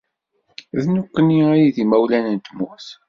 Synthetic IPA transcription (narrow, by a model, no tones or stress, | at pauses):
ðnukːəniæjiðimæwlænənt̪əmuθ